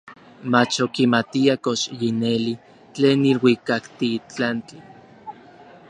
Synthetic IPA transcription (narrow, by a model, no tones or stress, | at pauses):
mat͡ʃokimat̪iakoʃjineli | t͡ɬeːnːilwikakt̪iːt͡ɬant͡ɬi